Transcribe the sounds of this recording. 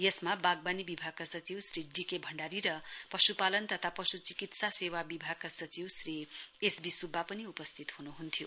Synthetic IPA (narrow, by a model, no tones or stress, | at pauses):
jʌsmabaɡ̚banibibʱaɡ̚kasʌt͡siwsriɖikebʱʌɳɖaɾiɾʌpʌsupalʌnt̪ʌt̪ʰapʌsut͡sikit̪sasewabibʱaɡ̚kasʌt͡siwsriesbisubʱːapʌniupʌst̪ʰit̪hunuɦunt̪ʰjo